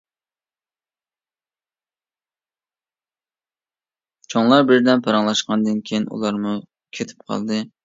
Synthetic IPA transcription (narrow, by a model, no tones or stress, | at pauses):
t͡ʃʰoŋlˠɑɾbɪɾd̪ɛnpʰɑɾɑŋlˠɑʃqɑnd̪ɨnkʲʰejinṵlˠɑɾmu | kʲʰet̪ʰɪ̥p̚qʰɑ̰lˠd̪ɨ